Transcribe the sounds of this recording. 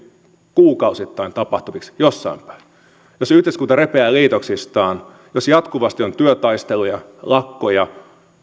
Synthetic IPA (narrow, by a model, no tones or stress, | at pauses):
kuːkɑusit̪ːɑint̪ɑpɑht̪uʋiksjosːɑ̰impæ̥i | josyhd̪eskuːt̪ɑrepeæːliːt̪oksist̪ɑːn | josjɑt̪kuʋɑst̪iont̪yøt̪ɑist̪elujɑlɑkːojɑ